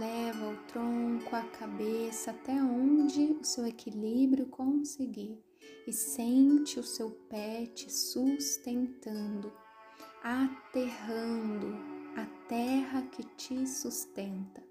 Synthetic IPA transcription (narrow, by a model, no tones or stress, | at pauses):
lɛvɐʊt̪ɾõŋkʊakʰabesɐːt̪ɛõd͡ʒɪʊsewekʰilibɾjʊkʰõsɪɡiɾ | ɪsẽnt͡ʃɪʊsewpɛt͡ʃɪsust̪ẽnt̪ɐ̃nd̪ʊ | at̪eɦɐ̃d̪ʊat̪ɛɦɐkɪt͡ʃɪsust̪ẽnt̪ɐ̥